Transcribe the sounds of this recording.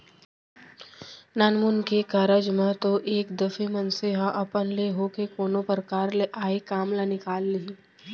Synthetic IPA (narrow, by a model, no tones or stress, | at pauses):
naːnmʊnkekaɾəd͡ʒmẽt̪oʔeːkd̪əfemɐnseɦaʔɐpənleɦoːkekoːnõpəɾkaːɾleʔaːekaːmlanɪkaːlːiɦi